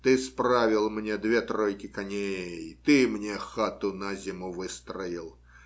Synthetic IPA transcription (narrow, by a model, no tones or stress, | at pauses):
t̪ɨspɾavʲɪlˠmnʲed̪vʲe̞t̪ɾojkʲɪkɐnʲejt̪ɨmnʲexat̪ʊnazʲɪmuvɨst̪ɾəɪlˠ